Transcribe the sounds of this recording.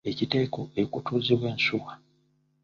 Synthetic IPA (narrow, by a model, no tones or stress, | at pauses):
ecite̞ːko̞ekutuːziβwe̞ːnsuwa